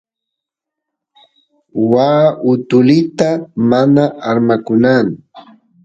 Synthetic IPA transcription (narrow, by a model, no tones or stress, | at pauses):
waːʔʊt̪ʊlɪt̪amanaaɾmakʊnan